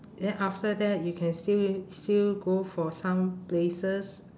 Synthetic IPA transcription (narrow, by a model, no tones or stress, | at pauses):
dɛ̃nʔaftədɛt̚jukʰɛ̃nstilstilɡofɔsãmplesəs